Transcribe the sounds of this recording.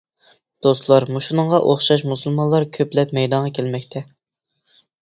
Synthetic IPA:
d̪̥ost̪lˠɑɾmuʃunɨŋʁɑʔoχʃɑʃ̬musulˠmɑnlˠɑɾkʲʰøplɛpmɛjd̪ɑnʁɑkʲʰelmɛkʲt̪ʰɛ

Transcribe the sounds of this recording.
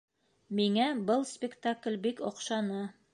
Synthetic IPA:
miŋæbɤlˠspʲɪkt̪aklʲbikɒqʃɑnɤ

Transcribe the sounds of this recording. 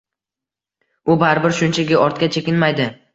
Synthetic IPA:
ʊbaɾbɪɾʃʊnt͡ʃʰaɡʲɪɒɾt̪̚kʲat͡ʃʰekʲɪnmajd̪ɪ

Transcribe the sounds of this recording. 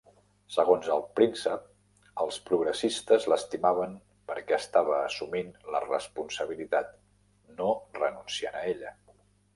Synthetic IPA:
səɣ̞onzəlˠpɾinsəp̚ | əlˠspɾuɣɾəsist̪əzləst̪imaβəm | pəɾkɛəst̪aβəːsuminlə̰rə̰spunsəβ̞ilit̪at̪ | norənunsianəeʎə

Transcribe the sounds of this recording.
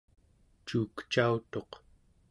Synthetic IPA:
t͡ʃuːkt͡ʃaut̪o̞q

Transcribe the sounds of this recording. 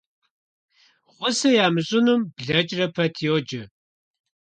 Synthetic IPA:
ʁʷʊsɐjaːmɨɕʼʊnumbɮɐt͡ʃʼrɐpʰɐtʰiod͡ʒɪ

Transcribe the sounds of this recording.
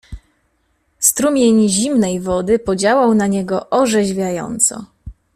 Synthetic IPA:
st̪ɾumʲjeɲʑimnɛjvɔd̪ɘpɔd͡ʑawawnaɲɛɡɔʔɔʐɛʑvʲjajɔ̰nt̪sɔ̰

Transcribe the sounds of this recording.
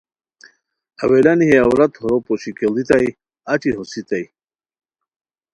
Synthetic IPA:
a̰welaniɦeawɾat̪hoɾopoɕikelit̪aj | at͡ɕiɦosit̪aj

